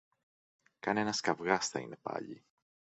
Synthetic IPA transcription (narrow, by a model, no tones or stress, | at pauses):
kɐnenɐskɐvɣɐsθɐḭne̞pɐ̰ʎḭ